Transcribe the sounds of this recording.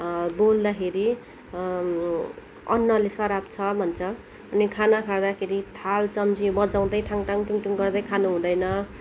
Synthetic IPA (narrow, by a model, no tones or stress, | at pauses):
bold̪akʰeɾi | ʌ̰nːʌlesʌɾapt͡sʰʌbʱʌnt͡sʰʌː | nikʰanakʰard̪akʰeɾit̪ʰalt͡sʌmd͡zibʌd͡zaw̃d̪ʌjʈʰaŋʈʰaŋʈuŋʈuŋɡʌrd̪ʌjkʰanuɦũd̪ʌjnʌ